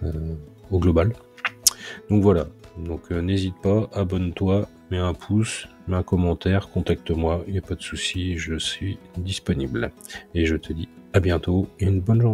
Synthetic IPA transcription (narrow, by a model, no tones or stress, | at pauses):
øoɡlɔbal | d̪̥ɔ̃kvwalad̪ɔ̃kʰnezit̪̚paʔabɔnt̪wa | mɛɛ̃pʰus | mɛɛ̃kɔmɑ̃t̪ɛʁkɔ̃t̪ak̚t̪əmwailjapad̪əsusiʒəsɥi | d̪ispɔnibl | eʒət̪ʰəd̪iabjɛ̃t̪oynbɔnʒuʁ